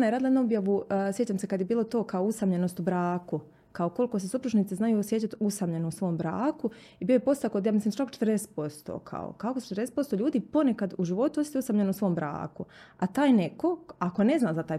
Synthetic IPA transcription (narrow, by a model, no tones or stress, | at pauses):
najeɾad̪ljed̪nuobjaʋusje̞t͡ɕamsekad̪jebiːlˠot̪o̞ːkaousamʎeno̞st̪ubɾaːku | kaoko̞likosesupɾuʒniːt̪siznajusjet͡ɕat̪usamʎenousʋo̞ːmbɾa̰ːku | ibiːjojepo̞st̪akod̪jaːmislimt͡ʃakot͡ʃet̪rd̪ese̥t̪̚po̞st̪o̰kʰa̰o̰kakosu̥t͡ʃet̪ɾdeset̪po̞st̪oʎuːd̪iːpo̞nekad̪uʒiʋo̞t̪uost̪t̪iusamʎenousʋo̞ːmbɾa̰ːkuat̪aːjneko̞ako̞ne̞znaːzat̪aːj